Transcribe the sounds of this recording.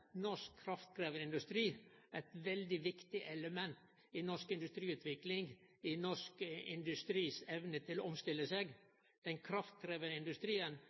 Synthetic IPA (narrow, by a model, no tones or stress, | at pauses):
nɔʂkʰːɾɑft̪̚kʰɾeːʋənɪnd̪ʉst̪ɾiːɛt̪ʋɛld̪ɪʋɪkt̪ɪʔɛləmɛnt̪ | inɔʂkɪnd̪ʉst̪ɾiːʉːt̪ʰʋɪklɪŋɡɪnɔʂkəɪ̰nd̪ʉst̪ɾiːsɛʋnət̪ʰɪloːɔmst̪ɪlːəseːɡ | d̪̥ɛnkʰɾɑft̪̚kʰɾeːʋənəɪnd̪ʉst̪ɾiːən